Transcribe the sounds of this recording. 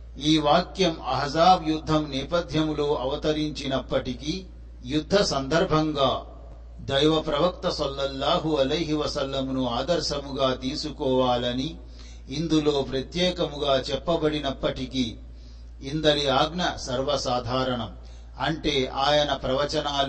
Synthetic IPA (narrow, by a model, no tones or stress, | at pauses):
iːʋaːkjɐmɐɦzaːbjud̪ʱːɐmnɛːpɐd̪ʱjɐmloːʔɐʋɐt̪ɐɾiɲt͡ʃinɐpːɐʈiki | jud̪ʱːɐsɐnd̪ɐɾbʱɐŋɡaː | d̪ɐjʋɐpɾɐʋɐk̚t̪ɐsɐlːɐlːaːɦuɐlɐjɦiʋɐsɐlːɐmnuaːd̪ɐɾʃɐmuɡaːt̪iːsukɔːʋaːlɐniː | nd̪ulo̞ːpɾɐt̪jɛːkɐmuɡaːt͡ʃɛpːɐbɐɽinɐpːɐʈikiː | nd̪ɐɽiaːɡɳɐsɐɾʋɐsaːd̪ʱaːɾɐɳɐm | ɐɳʈe̞ːʔaːjɐnɐpɾɐʋɐt͡ʃɐnaːl